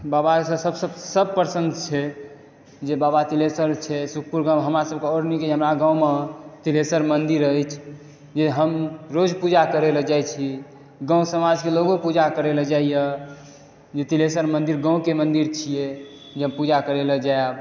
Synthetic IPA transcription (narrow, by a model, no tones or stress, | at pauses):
babasəsəbsəbsəbpəɾsə̃nd̪t͡ʃʰɛ | d͡ʒebabat̪ilesəɾt͡ʃʰɛsuk̚ʰpuɾɡãɦəmɾasəbkeɔɾnikeɦəmɾaɡãwmet̪ilesəɾmənd̪iɾəjt͡ʃʰ | d͡ʒeɦəmɾod͡ʒpud͡ʒakəɾeled͡ʒajt͡ʃʰi | ɡə̃ũsəmad͡ʒkeloɡopud͡ʒakəɾeled͡ʒaijə | d͡ʒet̪ilesəɾmənd̪iɾɡə̃w̃kemənd̪iɾt͡ʃʰije | d͡ʒeɦəmpud͡ʒakəɾeləd͡ʒaeb